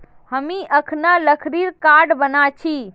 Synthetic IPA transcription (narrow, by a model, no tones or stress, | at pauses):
həmiʔəkʰnaləkʰɾiɾkaɾɖbənat͡ʃʰi